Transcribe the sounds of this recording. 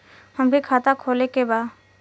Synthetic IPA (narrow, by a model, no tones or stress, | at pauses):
həmbʱikʰaːt̪akʰoːlekebaː